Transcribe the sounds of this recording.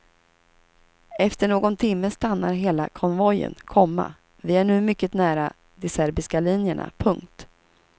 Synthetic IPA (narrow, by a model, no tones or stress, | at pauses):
ɛft̪əɳoːɡɔnt̪ʰɪmːəst̪anːaɾɦeːla̰kʰɔnvɔjə̰nkʰɔmːa̰ | vɪæɳʉ̟ːmʏkːət̪næːɾa | d̪ɛsæɾbɪskalinjəɳa̰pʰɵŋkt̪